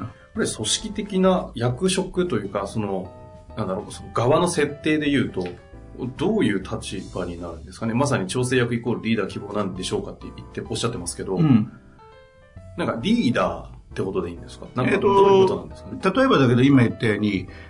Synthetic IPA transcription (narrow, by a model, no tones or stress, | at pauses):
ko̞ɾe̞so̞ɕi̥kʲit̪e̞kʲinajakɯ̟ɕo̞kɯ̟t̪o̞jɯ̟ːkaso̞no̞ | nãnd̪aɾo̞sono̞ɡaβano̞se̞t̪ːe̞ːd̪e̞jɯ̟ːt̪o̞ | d̪o̞ːjɯ̟ːt̪ʰat͡ɕibaɲ̟inaɾɯ̟̃nd̪e̞sɨ̥kane̞mas̬aɲ̟it͡ɕo̞ːs̬e̞ːjakɯ̟iko̞ːɾɯ̟ɾʲiːd̪aːkʲibo̞ːnãnd̪e̞ɕo̞ːkat̪ːe̞ʔit̪ːe̞ʔo̞ɕːat̪ːe̞masɨ̥ke̞d̪o̞ | nãŋkaɾʲiːd̪a̰ːt̪ːe̞ko̞t̪o̞d̪e̞ĩːnd̪esɨ̥ka̰nãŋkat̪okt̪onã̰nd̪e̞sɨ̥kant̪at̪o̞e̞bad̪ake̞d̪o̞imait̪ːeɲ̟i